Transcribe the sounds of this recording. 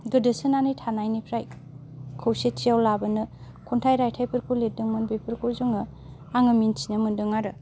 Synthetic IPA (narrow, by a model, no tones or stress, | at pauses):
ɡɯdɯsɯnanɯjtʰanajnipʰɾaj | kʰɯwset͡ʃijawlabɯnɯ | kʰuntʰajɾajtʰajpʰɯɾkʰoledɯŋmɯnbepʰɯɾkʰozuŋɯ | aŋɯmintʰinɯmɯndɯŋaɾɯ